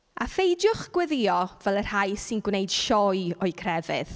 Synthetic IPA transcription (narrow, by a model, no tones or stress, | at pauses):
afejdjʊχɡ̥wɛðɪɔvɛlˠər̥hajsɪnɡwnejd̥ʃɔjɔɨkʰrɛvɨð